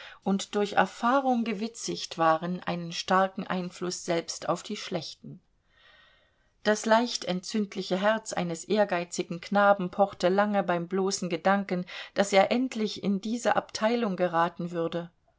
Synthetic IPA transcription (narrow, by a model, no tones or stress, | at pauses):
ʔʊntd̥ʊɐçʔɛ̰ɐfaːʁʊŋɡəvɪt͡sɪçtv̥aːʁənʔa̰ɪnənʃtaɐkŋ̩ʔa̰ɪnflʊsz̥ɛlpsta̰ʊfd̥iːʃlɛçtn̩ | d̥aslaɪçtɛntt͡sʏntʰlɪçəɦɛɐt͡sʔa̰ɪnəsʔeːɐɡaɪt͡sɪɡŋ̩kʰnaːbm̩pʰɔχtəlaŋəbaɪmbloːsn̩ɡədaŋkənd̥aseːɐʔɛntʰlɪçɪ̰ndiːzəʔa̰ptʰaɪlʊŋɡəʁaːtn̩vʏɐdə